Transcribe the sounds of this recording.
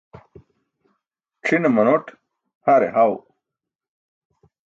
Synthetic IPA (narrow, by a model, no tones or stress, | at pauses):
ʈ͡ʂʰinemɐnoʈ | haɾḛɦaw